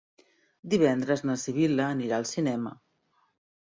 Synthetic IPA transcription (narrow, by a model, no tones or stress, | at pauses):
d̪iβ̞ɛnd̪ɾəznəsiβ̞iləːniɾaəlˠsinɛmə̰